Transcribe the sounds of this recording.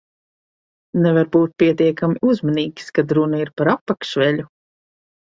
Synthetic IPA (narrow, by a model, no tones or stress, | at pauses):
nɛvaɾbuːt̪̚pʲiɛt̪iɛkamiʔuzmaniːkʲskad̪ɾunaiɾpaɾapːakʃvʲɛlʲu